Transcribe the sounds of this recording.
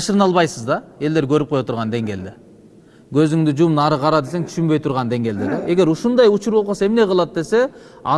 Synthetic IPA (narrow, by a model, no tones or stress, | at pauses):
ʃəɾənɑlˠbɑjsəzd̪ɑe̞ld̪eɾkʲʰɵɾɪp̚qʰojot̪ʊɾʁɑnd̪e̞ŋɡʲe̞ld̪ɪ | kʲʰɵzɪŋd̪ɪd͡ʒumnɑɾəqʰɑɾɑd̪e̞se̞ŋt̪ʰʏ̥ʃʏmbe̞jt̪ʰʊɾʁɑnd̪e̞ŋɡʲe̞ld̪ɪd̪eʔe̞ɡʲe̞ɾʊʃʊnd̪ɑjʊt͡ʃʊɾbolˠqose̞mne̞qʰəlˠɑd̪̚d̪e̞se̞ɑ̰